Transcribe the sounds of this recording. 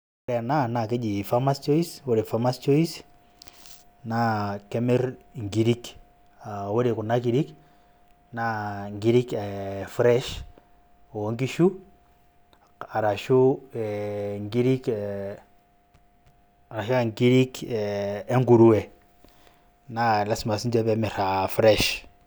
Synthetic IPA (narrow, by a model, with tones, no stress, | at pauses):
ɾɛ˨a˨na˦˨na˨ke˦d͡ʒi˨fa˦ma˦st͡ʃɔ˦i˦swo˦ɾe˨fa˦ma˦st͡ʃɔ˦i˦s | na˦kɛ˦mɛ˦ɾŋɡi˦ɾi˦k | a˨wo˦ɾe˨kʊ˨na˦ki˨ɾi˦k | na˦ŋɡi˦ɾi˦kɛ˨fɾɛ˦ʃ | o˨ŋɡi˦ʃu˦ | a˨ɾa˨ʃu˦ɛŋɡi˦ɾi˦k | a˨ɾa˨ʃa˦a˨ŋɡi˦ɾi˦kː | ŋɡu˨ɾu˦ɛ˨ | na˦˨la˦sma˨si˦nd͡ʒe˦pemɛ˨ɾa˨fɾɛ˦ʃ